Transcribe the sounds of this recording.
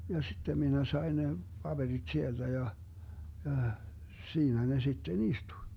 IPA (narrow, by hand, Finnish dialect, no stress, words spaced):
jɑ sitːem minæ sɑi̯ ne pɑb̥erid̥ sield̥æ jɑ jɑˑh siːnæ ne sitːen istuĭ